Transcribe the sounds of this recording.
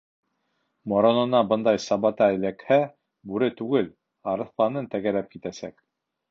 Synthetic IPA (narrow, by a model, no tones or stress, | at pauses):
moɾonɤ̆nɑbɤ̆nd̪ɑjsɑβɑt̪ɑɘ̆lækhæ | bʉɾɘt̪ʉɡɘl | ɑɾɤ̆θlˠɑnɤnt̪æɡæɾæp̚kit̪æsæk